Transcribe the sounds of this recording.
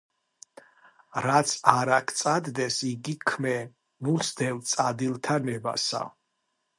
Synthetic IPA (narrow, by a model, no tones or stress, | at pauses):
ɾat̪sʰaɾakʰt̪sʼad̪d̪ɛsiɡikʰmɛ | nusd̪ɛlt̪sʼad̪ilˠt̪ʰanɛba̰sa̰